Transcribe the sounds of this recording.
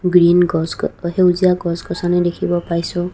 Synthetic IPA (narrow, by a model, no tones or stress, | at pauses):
ɡɹinɡɔshewziaɡɔskɔsanɛdekʰibɔpaɹjsɔ